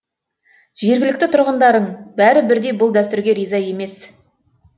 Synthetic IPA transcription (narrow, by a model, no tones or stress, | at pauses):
ʒ̥e̞ɾɡʲɪlɪk̚ʲt̪ɪt̪ʰʊɾʁənd̪ɑɾəɴbæɾɪbɪɾd̪e̞jbʊlˠd̪æst̪ʏɾɡʲe̞ɾijzɑje̞me̞s